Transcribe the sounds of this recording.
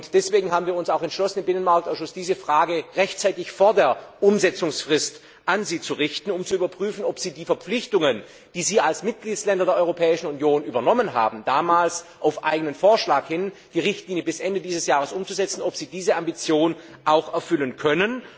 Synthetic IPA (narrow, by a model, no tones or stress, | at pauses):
ʊntd̥ɛsv̥eːɡŋ̩ɦaːbm̩viːɐʊnsaʊxɛntʃlɔsən̩ɪmbɪnənmaɐk̚taʊʃʊsd̥iːzəfʁ̥aːɡəʁɛçtt͡saɪtɪçfoːɐdeːɐʔʊmzɛt͡sʊŋsfʁ̥ɪst | ʔanziːt͡suʁɪçtn̩ʊmt͡suyːbɐpʁ̥yːfn̩ɔpz̥iːdiːfɛɐp͡flɪçtʊŋən | d̥iːziːalsmɪt̚ɡ̥liːtslɛndɐdeːɐʔɔʏʁopʰɛːɪʃn̩unjoːnʔyːbɐnɔmənɦa̰ːbm̩d̥aːmaːlsʔaʊfʔa̰ɪɡənənfoːɐʃlaːkhɪnd̥iːʁɪçtliːnjəbɪsʔɛndədiːzəsjaːʁ̞əsʔʊmt͡suzɛt͡sn̩ɔpz̥iːdiːzəʔambit͡sjoːn | ʔaʊxɛɐfʏlənkʰœnən